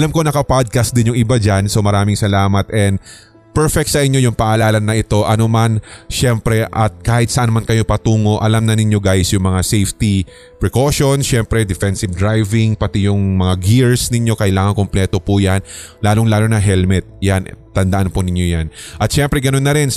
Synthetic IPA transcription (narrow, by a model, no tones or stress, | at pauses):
ʔɐlamko̞nɐkɐpad̪̚kɐst̪̚d̪ɪnjʊŋʔɪbad͡ʒanso̞mɐɾaːmɪŋsɐlaːmɐt̪ʔɛnd̪ | pɛɹfɛk̪̚sɐʔɪɲjo̞jʊŋpɐʔɐlaːlɐnːɐɪt̪o̞ʔɐno̞manʃɛmpɾɛʔɐt̪̚kaːhɪt̪̚sɐʔanmankɐjo̞pɐt̪uːŋo̞ʔɐlamnɐnɪɲjo̞ɡajsjʊŋmɐŋasejft̪i | pɹɛkoʃo̞nʃɛmpɾɛd̪ɛfɛnsɪbd̪ɾajvɪŋpɐt̪ɛjʊŋmɐŋaɡiɹsnɪɲjo̞kɐʔɪlaːŋɐŋkomplɛːt̪o̞pujan | laːloŋlaːlo̞nɐɦɛlmɛt̪̚jant̪ɐnd̪ɐʔanponɪɲjo̞janʔɐt̪̚ʃɛmpɾɛɡɐno̞nːɐɾɪn